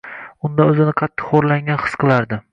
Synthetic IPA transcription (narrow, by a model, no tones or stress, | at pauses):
ʊnd̪aɵzɪnɪqʰɑt̪ːɪ̥χoɾlaŋʲanχɨ̥sqʰɨlˠaɾd̪ɪ